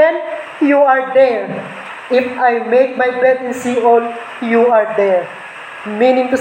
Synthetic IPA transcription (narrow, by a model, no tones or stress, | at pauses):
ɛ̃n | juaɹd̪ɛɹ | ʔɪfajmejk̚majpɹɛd̪ɛ̃nsiɔl | juaɹd̪ɛɹ | mĩnɪ̃ŋt̪ʊ